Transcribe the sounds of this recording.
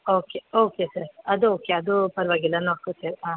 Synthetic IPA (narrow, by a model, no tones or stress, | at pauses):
oːkeoːkesɐɾɐd̪uoːkeɐd̪upɐɾʋaːɡilːanoːɽkoteɾɦãː